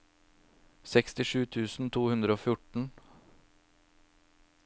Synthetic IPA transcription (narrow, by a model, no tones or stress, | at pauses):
sɛkst̪ɪʃʉːt̪ʰʉːsn̩t̪ʰuːhʉnd̪ɾəoːfjʊʈɳ̩